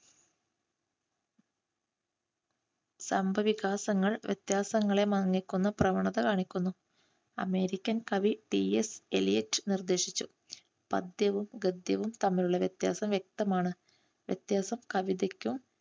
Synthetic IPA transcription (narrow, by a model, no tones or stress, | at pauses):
sɐmbʱɐʋiɣaːsɐŋːɐɭʋjḛt̪jaːsɐŋːɐɭe̞mɐɐŋːikʲːunːɐprɐʋɐɳɐðɐkaːɳikʲːunːu | ɐ̰me̞ːɾikʲːɐnkɐʋiʈieselijetːɨnird̪e̞ːʂit͡ɕːu | pɐ̰d̪jɐʋumɡɐd̪jɐʋumt̪ɐmːiluɭːɐʋjɐt̪ja̰ːsɐmʋjek̚t̪ɐmaːɳɨ | ʋjɐ̰t̪jaːsɐmkɐʋiðekʲːum